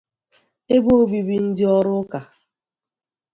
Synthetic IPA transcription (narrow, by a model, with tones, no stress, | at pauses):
e˦bo˦o˦bi˨bi˨n̩˦dɪ˦ɔ˦ɾʊ˦ka˨